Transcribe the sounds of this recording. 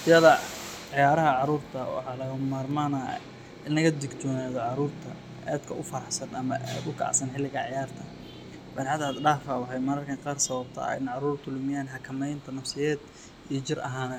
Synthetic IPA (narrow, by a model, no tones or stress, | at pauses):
ɪjɐðɐ | ʕɪjaːɾɐɦɐʕɑɾuːrt̪ʰɐwɑ̰ħɑːlɐɣɐmaːrmaːna̰ | ɪnɐɣɐd̪ɪɡt͡ʃɔːnaːðɔʕɑɾuːrt̪ʰɐ | ʔɛ̰ːd̪kʰɐʔʊfɐɾɐħsɐnʔɐmɐɛʊkʰːʕsɐnħɪlːɪɣɐʕjaːrt̪ʰɐ | bɐɾħad̪ad̪ɖaːfɐwɑħɑjmɐɾɐrkʰɐŋqɑːrsɐβɐbt̪ʰɐ̰ɪ̰nʕɑɾuːrt̪ʰʊlʊmɪjaːnħɑkʰɐmɛjnt̪ʰɐnɐfsɪjɛːd̪ | iːt͡ʃɪrʔɐɦaːnɐ